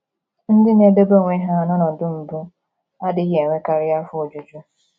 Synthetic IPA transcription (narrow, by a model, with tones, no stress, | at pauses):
n̩˦dɪ˦ne˦be˦bo˦˨ŋʷe˦ɦa˦˨nɔ˦nɔ˨dʊ˦m̩˨bʊ˦ | a˦dɪ˦ɦe˨ŋʷe˦ka˨ɾɪ˦a˦fʊ˦o˨d͡ʒu˨d͡ʒu˦